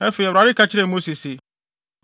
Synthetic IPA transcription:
ɛ˦fe˨ɾa˨ɾɪ˦ka˦t͡ɕʰɪ˦ɾɛ˦˨mo˦si˨sɪ˨ | m

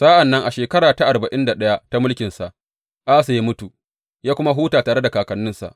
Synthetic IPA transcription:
sa˦ʔa˨nːɐ˦ŋʔa˨ʃeː˨kɐ˦ɾaː˨ta˦ʔa˨rba˨ʔɪ˦nda˨ɗɐ˦ja˦ta˦mʊ˦lkʲɪ˨nsa˨ʔ | ʔaː˦sa˨ji˦mʊ˦tu˨ | jaː˦kʷʊ˦ma˦ɦuː˦taː˨taː˨ɽe˦da˨kaː˨kɐ˨nːʊ˦nsa̰˨ʔ

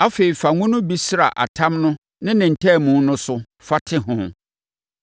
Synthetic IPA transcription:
a˦fe˨i˨fa˨ŋũ˦nʊ̃˦bi˦sɾa˨ʔa̰˨tʰã˦mnʊ̃˦ | nɪ̃˦nɪ̃˨n̩˨tʰɛ˦˨mũ˨˦nʊ̃˦sʊ˨ | fa˦tʰɪ˦ɦʊ̃˦˨

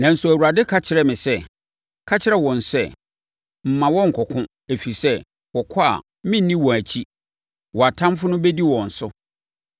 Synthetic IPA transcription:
nã˨n̩˦sʊ˨æ˨wu˨ɾa˨dɪ˦kʰa˦t͡ɕʰɪ˨ɾɛ˨mɪ̃˨sɛ˦ | kʰa˦t͡ɕʰɪ˦ɾɛ˦wɔ̃˨n˨sɛ˦˨ | m̩˨mã˨wɔ̃˦ŋ̩˨kʰɔ˨kʰʊ̃˦ | e˨fi˨sɛ˦ | wɔ˨kʰɔ˦a̰˨ | mɪ̃˦n˦nːĩ˦wɔ̃˨æ˨t͡ɕʰi˦ | wɔ˨a˨tʰã˦mfʊ˦nʊ̃˦bɛ˦di˦wɔ̃˨n̩˨sʊ˦

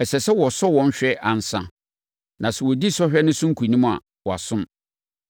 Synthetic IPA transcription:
ɛ˨sɛ˨sɛ˦wɔ˨sɔ˦wɔ̃˦n˦ɕᶣɛ˦ʔa˨n̩˨sã̰˨ | nã˨sɛ˨wɔ˨di˦sɔ˦ɕᶣɛ˦nɪ̃˦sʊ̃˦ŋ̩˦kʰu˨nĩ˦m˦a̰˨ | wɔ˨a̰˨sʊ̃˦m

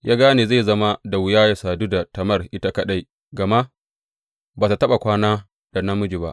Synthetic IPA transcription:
jʔaː˦ɡaː˦neː˨za˦˨zɐ˦ma˦da˨wɪ˨jaː˦ja˨saː˨duː˦da˨tɐ˨mɐ˦rʔɪ˦ta˦kɐ˦ɗa˦j | ɡɐ˨ma˦ʔ | baː˨ta˨tɐ˦ɓa˨kʷaː˦naː˦ | d̥a˨na˦mʊ˦d͡ʒi˨ba̰˦ʔ

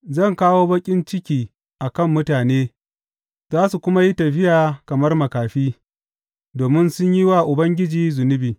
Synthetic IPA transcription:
zɐ˦˨ŋkaː˦woː˦bɐ˦kʲʼɪ˦nt͡ʃɪ˦kʲiː˨ | ʔa˨kɐ˦˨mːʊ˦taː˨neː˦ | zaː˦su˨kʷʊ˦ma˦ji˦tɐ˨ɸɪ˦jaː˨kɐ˨mɐ˦rmɐ˨kaː˨ɸiː˦ | doː˨mɪ˦nsʊ˦ɲji˦waː˦˨ʔʊ˨bɐ˦ŋɡʲɪ˦d͡ʒiː˨zʊ˨nʊ˦biː˨

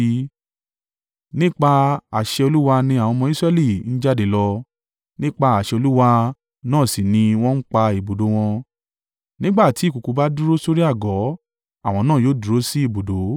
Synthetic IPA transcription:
nĩ˦k͡pa˧a˨ʃɛ˧o˧lu˦wa˧nĩ˧a˨w̃ɔ̃˧mɔ̃˧˦i˦sɾɛ˦˨li˦˨n̩˦d͡ʒa˦˨de˨lɔ˧ | nĩ˦k͡pa˧a˨ʃɛ˧o˧lu˦wa˧ | nãː˦˨si˨nĩ˧w̃ɔ̃˦n̩˦k͡pa˧i˨bo˨do˨˦w̃ɔ̃˧ | nĩ˦ɡ͡ba˦˨ti˨˦˨ku˨ku˨˧ba˦du˦ɾo˦so˦ɾi˦a˦˨ɡɔ˨˦ | a˦˨w̃ɔ̃˧nãː˦˨joː˦˨du˨ɾo˦si˦i˦˨bo˨do˨˦

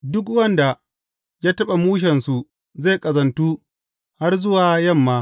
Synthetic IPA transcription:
dʊ˦k̬wɐ˦nda˨ | jaː˦tɐ˦ɓa˨muː˦ʃ̬ɛ˨nsu˨ | zeː˦˨kʼɐ˨zɐ˨ntuː˦ | ha˦rzʊ˦waː˨jɐ˦˨mːaː˨˦

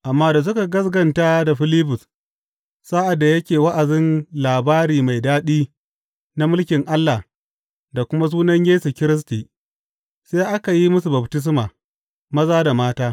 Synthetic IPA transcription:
ʔa˨mːaː˦da˨s̬ʊ˦ka˨ɡɐ˦sɡɐ˨ntaː˦da˨ɸɪ˦liː˦bʊ˨s | saː˦ʔa˨dːa˨jɐ˦kʲeː˨wa˦ʔa˨zɪ˦nlaː˨baː˦ɾiː˨ma˨jdaː˦ɗiː˦ | na˦mʊ˦lkʲɪ˨ŋʔa˦lːa˨ | da˨kʷʊ˦ma˦s̬uː˦nɐ˦ɲjeː˦su˨kʲɪ˦ɾɪ˦s̬tiː˨ | seː˦ʔa˦ka˨ji˦mʊ˦s̬u˨bɐ˨btɪ˦s̬maː˨ | mɐ˦zaː˦da˨maː˦taː˦

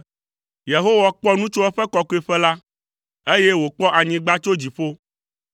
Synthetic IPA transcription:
je˨ɦo˦wa˨k͡pɔ˦nũ˦t͡ʃo˦ɛ˦ɸɛ˦kɔ˨ku˦ɛ˨ɸɛ˦la˦ | e˦je˦wo˨k͡pɔ˦ʔa˨ɲĩ˨ɡ͡ba˦t͡ʃo˦d͡ʑi˨ɸo˦

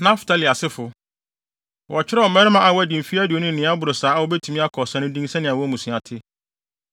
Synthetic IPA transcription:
nã˦ftʰa˦li˨a˨sɪ˦fʊ˨ | wɔ˨t͡ɕʰɪ˦ɾɛ˦ɔ˨mɛ˦ɾɪ˦mã˨a˨wɔ˦æ˨dĩ˨m̩˨fi˦æ˦di˨o˨nʊ̃˦n̩˨nɪ̃˨˦a˦bʊ˨ɾʊ˨saː˨˦wɔ˦bɛ˦tʰu˨mĩ˦a˦kʰɔ˨sɛ̃˦nʊ̃˦dĩ˦ŋ˦sɛ̃˦nɪ̃˨a˨wɔ˦mũ˨sũ˨a˨tʰɪ˦

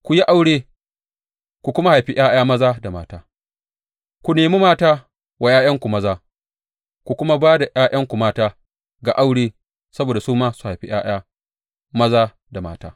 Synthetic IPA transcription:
kʷu˨ji˦ʔa˦wɽeː˦ | kʷu˨kʷʊ˦ma˦ha˨jɸi˦ʔj̰aː˦j̰aː˦mɐ˦zaː˦da˨ma̰ː˦taː˦ | kʷu˨neː˨mi˦maː˦taː˦ | wa˨j̰aː˦jɐ˦ŋkʷu˨mɐ˦zaː˦ | kʷu˨kʷʊ˦ma˦baː˦da˨ʔj̰aː˦jɐ˦ŋkʷu˨maː˦taː˦ | ɡa˨ʔa˦wɽeː˦ | sɐ˦boː˨da˨suː˦maː˦su̥˨ha˨jɸi˦j̰a̰ː˦j̰aː˦ | mɐ˦zaː˦ | da˨maː˦ta̰ː˦

